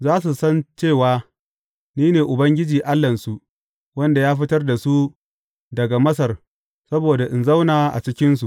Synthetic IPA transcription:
zaː˦s̬u˨sɐ˦nt͡ʃeː˦˨waː˦ | niː˦neː˨ʔʊ˨bɐ˦ŋɡʲɪ˦d͡ʒiː˨ʔa˦lːɐ˨nsu˨ | wɐ˦nda˨jaː˦ɸ̬ɪ˦tɐ˦rda˨su˦ | dɐ˨ɡa˨mɐ˦s̬ɐ˨r | sɐ˦boː˨da˨ʔɪ˨nza˦wnaː˨ʔa̰˨t͡ʃɪ˦kʲɪ˦ns̬u˨ʔ

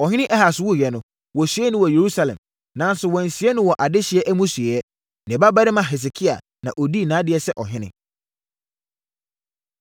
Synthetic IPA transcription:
ɔ˨ɦɪ̃˦nɪ̃˦ʔɛ˦ha˨sʊ˦wu˦˨jɛ˨˦nʊ̃˦ | wɔ˨su˨˦ɛ˦nʊ̃˦wɔ˨je˨ɾu˦sa˨lɛ̰̃˨m | nã˨˦n˦sʊ˨wɔ̃˨n̩˨si˨˦ɛ˦nʊ̃˦wɔ˨ʔa˨dɪ˦ɕɪ˨˦ɛ˦ʔæ˦mũ˦sɥɛ˨jɛ˦ | nɪ̃˨ba˦ba˦ɾɪ˦mã˨ɦɛ˨s̬e˨kʰi˦a̰˨ | nã̰˨ʔo˨di˦˨nãː˨˦dɪ˨˦ɛ˦sɛ˦ʔɔ˨ɦɪ̃˦nɪ̰̃˦

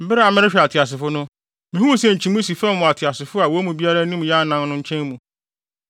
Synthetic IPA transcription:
m̩˨bɪ˦ɾɪ˦a˨mɪ̃˦ɾɪ˦ɕᶣi˨a˨tʰɪ˨a˨s̬ɪ˨fʊ˦nʊ̃˦ | mɪ̃˨hũ˦sɛ̃˨ɲ̩˨t͡ɕʰi˨mũ˦s̬i˨fɛ˦m˦mʊ̃˨a˨tʰɪ˨a˨sɪ˨fʊ˦a˨wɔ˨˦mũ˨bi˦a˦ɾa˦nĩ˦m˨ja˦nã˨nnʊ̃˦ɲ̩˦t͡ɕʰɛ̃˦nmũ˨

